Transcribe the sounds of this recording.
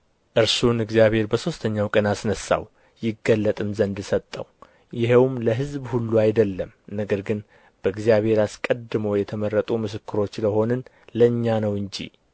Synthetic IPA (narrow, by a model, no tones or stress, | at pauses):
ʔɨɾsunɨɡzijaβhe̞ɾbəso̞st̪ʰəɲːawkʼənasnəsːa̰w | jɪɡəlːət̪ʼɨmzənd̪sət̪ʼːə̰w | jɪɦewmləɦɨzbhulːuajd̪əlːəmnəɡəɾɡɨn | b̥əɨɡzijaβhe̞ɾaskʼəd̪ːɨməwjɛt̪ʰəmərːət̪ʼumɨsɨkːɨɾo̞t͡ʃːləɦo̞nɨn | ləɨɲːanəwɨɲd͡ʒḭ